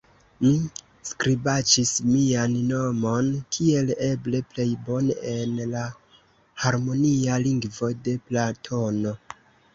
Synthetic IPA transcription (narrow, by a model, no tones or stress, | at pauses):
mi | skɾibat͡ʃismianno̞mo̞nkʰie̞le̞ble̞ple̞jbo̞neenla | haɾmo̞nialiŋɡvo̞de̞platʰo̞no̞